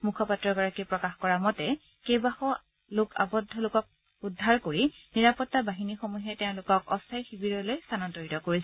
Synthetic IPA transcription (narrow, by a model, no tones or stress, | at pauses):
mukʰɔpatɹɔɡɔɹakipɹɔkaxkɔɹamɔtɛ | kejbaxɔ | lʊkʰa̰bɔdʱːɔlʊkɔk̚ | udʱːaɹkoɹiniɹapɔtːabaɦinixomuɦɛtɛʊ̃lʊkɔkɔ̰stʰajxibiɹɔlojstʰanɔntoɹitɔkoɹisɛ